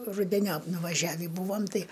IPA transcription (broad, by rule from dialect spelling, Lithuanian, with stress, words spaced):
rʊdʲɛˈnʲoːp nʊʋɐˈʒʲæːʋʲiː ˈbuːʋɐm ˈtɐɪ